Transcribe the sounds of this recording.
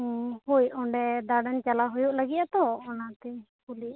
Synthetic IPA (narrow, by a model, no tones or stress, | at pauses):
hujɔɳɖɛd̪aɖant͡ʃalaɦujuʔlaɡiʔ̪at̪ɔɔnat̪ɛ | pulia